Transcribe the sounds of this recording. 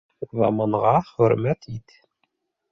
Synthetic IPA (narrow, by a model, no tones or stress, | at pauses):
zɑ̰mɑɴʁɑχɵ̆ɾmæt̪ʰit̪